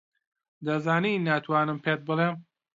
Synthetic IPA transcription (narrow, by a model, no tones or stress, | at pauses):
d̪ɐzaːninaːt̪ʰwaːnɨmpʰeːt̪̚bɨleːm